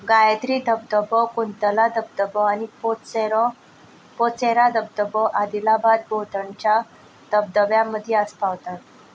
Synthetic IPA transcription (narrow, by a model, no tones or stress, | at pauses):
ɡajəd̪ɾid̪əb̚d̪əbɔkunt̪əlad̪əb̚d̪əbəanipot͡seɾ | pot͡seɾad̪əb̚d̪əbɔʔad̪ilabad̪̚bot̪əɳt͡ɕa | d̪̥əbd̪əbjãmːəd̪ʱjɛəspaʋt̪at̪̚